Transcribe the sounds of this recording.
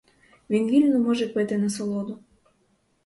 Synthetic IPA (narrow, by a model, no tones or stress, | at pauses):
ʋʲinʋʲilʲnɔmɔʒɛpɪt̪ɪnɐsɔlˠod̪u